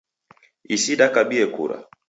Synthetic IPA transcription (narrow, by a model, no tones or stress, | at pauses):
isiɗakaɓiɛkṵɾa̰